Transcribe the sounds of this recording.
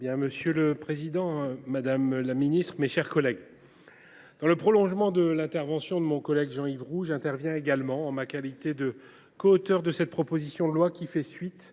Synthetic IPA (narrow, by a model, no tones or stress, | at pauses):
bjɛ̃məsjøləpχezid̪ɑ̃mad̪amlaminist̪χmeʃɛʁkɔlɛɡ | d̪̥ɑ̃ləpχɔlɔ̃ʒmɑ̃d̪əlɛ̃t̪ɛʁvɑ̃sjɔ̃d̪əmɔ̃kɔlɛɡʒɑ̃ivʁuʒɛ̃t̪ɛʁvjɛ̃eɡalmɑ̃ɑ̃makalit̪ed̪ə | kɔːt̪œʁd̪əsɛt̪̚pχɔpozisjɔ̃d̪əlwakʲifɛsɥit̪